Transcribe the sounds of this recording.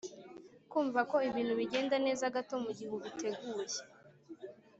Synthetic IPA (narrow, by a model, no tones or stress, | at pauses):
kuːɱvako̞iβiːnhuβiɟe̞ːndane̞ːzaɡato̞muɟihuβite̞ɡuːje